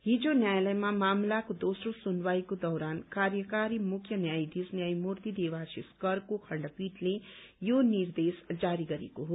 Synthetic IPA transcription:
ɦid͡ʒonjajləjmamaːmlakod̪osɾosunʋajkod̪ʌwɾankaɾjəkaɾimukʰjʌnjajd̪isnjajmuɾt̪id̪eʋasiskʌɾkokʰʌɳɖʌpiʈlejoniɾd̪esd͡ʒaɾiɡʌɾḛkoɦo

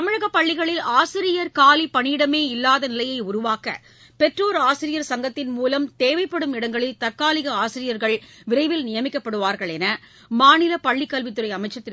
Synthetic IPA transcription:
t̪ɐmɪɻɐɣɐpːɐɭːɪɣɐɭɪlaːsɪɾɪjɐɾkaːlipɐɳɪɪɽɐmeːɪlːaːðɐnɪlɐjɐɪʊɾʊʋaːkɐ̰ | pɛʈroːɾaːsɪɾɪjɐɾsɐŋɡɐt̪ːɪnmuːlɐmt̪eːʋɐɪpːɐɽɯmɪɽɐŋɡɐɭɪlt̪ɐɾkaːlɪɣɐaːsɪɾɪjɐɾɣɐɭʋɪɾɐɪʋɪlnɪjɐmɪkːɐpːɐɽɯʋaːɾɣɐɭɛnɐ | maːnɪlɐpɐɭːɪkːɐlʋɪt̪ːɯɾɐɪɐmɐɪt͡ʃːɐt̪ːɪ

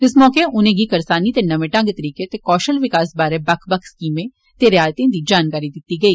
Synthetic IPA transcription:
ɪsmɔːkeʔʊnẽːɡikɐɾsaːnit̪enɐʋẽʈɐ̃ŋɡt̪əɾiːket̪ekɔːʃəlʋɪkaːsbaːɾebɐkʰbəkʰskiːmẽ | t̪eɾɪjaːjt̪ĩd̪id͡ʒaːnkaːɾid̪ɪt̪ːiɡɐiː

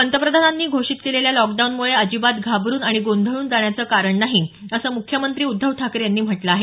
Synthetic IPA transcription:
pənt̪əpɾəd̪ʱananːiːɡʱoʂiːt̪keleljalɔkɖaunmuɭeəd͡ʑibat̪ɡʱabɾuːnaɽ̃iɡond̪ʱəɭuːnd͡zaɳjat͡səːkaɾəɳnaɦiəsəːmukʰjəmənt̪ɾiːud̪ʱːəʋʈʰakəɾjanːiːm̤əʈləaɦe

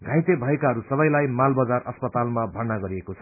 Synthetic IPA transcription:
ɡʱãjt̪ebʱʌekaɦʌɾusʌbʌjlajmalbʌd͡zarʌspʌt̪almabʱʌrnaɡʌɾiekot͡sʰʌ

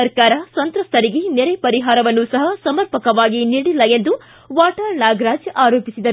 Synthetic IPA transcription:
ɐɾkaːɾɐsɐnt̪ɾɐst̪ʰɐɾiɡeneɾepɐɾiɦaːɾɐʋɐnːusɐɦɐsɐmɐɾpɐkɐʋaːɡiniːɽilːɐe̞nd̪u | ʋaːʈɐɾnaːɡɾaːd͡ʒaːɾoːpisid̪ɐɾu

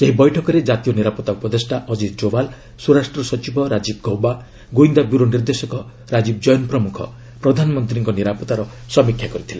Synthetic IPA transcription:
seɦibɔjʈʰɔkɔɾed͡ʒat̪ijɔniɾapɔt̪ːakpɾɔd̪esʈaʔɔd͡ʒit̪̚d͡ʒobal | suɾasʈɾɔsɔt͡ʃibɔɾad͡ʒib̚ɡɔwba | ɡoind̪abjuɾoniɾd̪esɔkɔ | ɾad͡ʒib̚d͡ʒɔjɔnpɾɔmukʰɔ̰ | pɾɔd̪ʱanɔmɔnt̪ɾiŋkɔniɾapɔt̪aɾɔ | sɔmikʰjakɔɾit̪ʰile

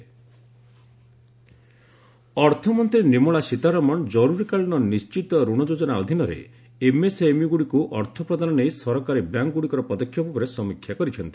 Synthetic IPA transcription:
ɔɾt̪ʰɔmɔnt̪ɾinimuɭasit̪aɾɔmɔnd͡ʒɔɾuɾikaɭinɔnist͡ʃit̪ɔɾuɽ̃ɔd͡ʒod͡ʒɔnaɔd̪ʱinɔɾḛ | emesemiɡuɽikuʔɔɾt̪ʰɔpɾɔd̪ʱanɔnejsɔɾɔkaɾibjaŋkɡuɽikɔɾɔpɔd̪ɔkʰːjɔpupɔɾesɔmikʰjakɔɾit͡ʃʰɔnt̪i̥

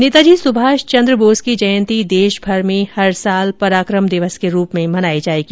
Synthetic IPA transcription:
nɪt̪ad͡ʒiːsʊbʱaːʃt͡ʃɐ̃nd̪ɾəboːskid͡ʒɐjə̃nt̪id̪eːʃbʱɐɾmẽhɐɾsaːlpɐɾaːkɾəmd̪ɪʋəskeɾuːpmẽmɐnaːed͡ʒaːeɡi

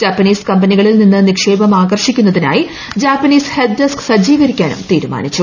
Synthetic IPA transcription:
d͡ʑaːpːɐniːskɐmbɐniɣɐɭilninːɨnikʂe̞ːbɐmaːɡɐrʂikʲːunːɐðina̰ːji | d͡ʑaːpːɐniːshed̪̚dɐsksɐd͡ʑiːɡɐɾikʲːaːnṵmt̪iːɾuma̰ːnit͡ɕːu

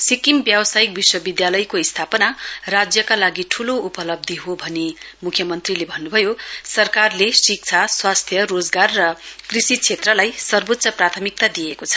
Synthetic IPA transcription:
sikimbjʌwʌsajik̚biswʌbid̪jalʌjkoist̪ʰapʌnarad͡zjʌkalaɡiʈʰuloupʌlʌb̚d̪ʱiɦobʱʌnemukʰːjʌmʌnt̪rilebʱʌnːubʱʌjosʌrkarlesik̚t͡sʰaswast̪ʰjʌrod͡zɡarːʌkrisit͡sʰet̪rʌlajsʌrbot̪sʌprat̪ʰʌmik̚t̪ad̪ijekot͡sʰʌ̥

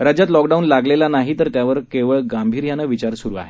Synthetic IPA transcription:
ɾad͡ʑat̪lɔkɖaunlaɡlelanaɦit̪əɾt̪jaʋəɾkeʋəɭɡambʱiːɾjanaʋit͡ɕaɾsuɾua̰ɦe

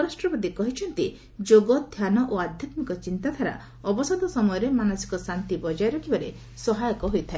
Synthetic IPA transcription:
ɾasʈɾɔbɔd̪ikɔɦit͡ʃʰɔnt̪i | d͡ʒoɡɔd̪ʱjanɔʔoad̪ʱjɔt̪mikɔt͡ʃint̪at̪ʰaɾa̰ | ɔbɔsɔd̪ɔsɔmɔjɔɾemanɔsi̥kɔsant̪ibɔd͡ʒajɾɔkʰibaɾe | sɔɦajɔkɔɦojt̪ʰae

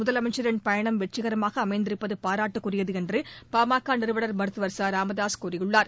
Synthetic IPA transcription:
mʊðɐlɐmɐɪt͡ʃːɐɾɪnpɐjɐɳɐmʋɛʈt͡ʃːɪɣɐɾɐmaːɣɐːmɐɪnd̪ɪɾɯpːɐðɯpaːɾaːʈːɯkːʊrɪjɐðɯɛndrɯpaːmaːkːaːnɪɾɯʋɐɽɐɾmɐɾɯt̪ːɯʋɐɾsaːɾaːmɐðaːskoɾɪjɯɭːaːɾ

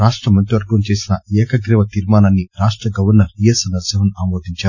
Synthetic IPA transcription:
aːʂʈɾɐmɐɲʈiʋɐɾɡɐmt͡ʃe̞ːsinɐɛːkɐɡɾɛʋɐt̪iɾmaːnɐnːiɾaːʂʈɾɐɡɐʋɐɾnɐɾijesɐnɐɾsɐɦɐnaːmoːd̪iɲt͡ʃaːɾ

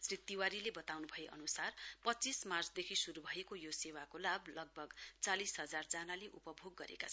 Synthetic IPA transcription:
srit̪ːiwaɾilebʌt̪awnubʱʌeʔʌ̰nusarpʌtːt͡sismart͡sd̪ekʰisuɾubʱʌekojosewakolablʌɡ̚bʱʌɡt͡salisɦʌd͡zard͡zanaleʔupʌbʱoɡːʌɾḛkat͡sʰ

